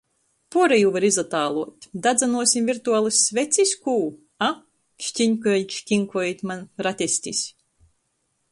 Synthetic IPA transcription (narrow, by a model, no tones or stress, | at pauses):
puɔɾɛjuvaɾizat̪aːlˠuɔt̪ʲd̪ad̪zanuɔsʲimvʲiɾt̪uaːlˠɨsʲːvʲɛt̪sʲisʲkuː | a | ʃt̪ʲiɲʲkɔɛlʲʃkʲiŋkɔit̪ʲmanɾat̪ʲɛsʲt̪ʲisʲ